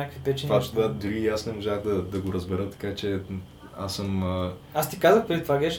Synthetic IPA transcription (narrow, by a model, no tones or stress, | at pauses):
akəvpɛt͡ʃvaʃad̪uɾiːasnɛmoʒaɣd̪ɐd̪ɐɡoɾəzbɛɾət̪ɐ̥kat͡ʃɛ | a̰səmə | ast̪ikazəxpɾɛd̪ʲit̪vaɡɛʃ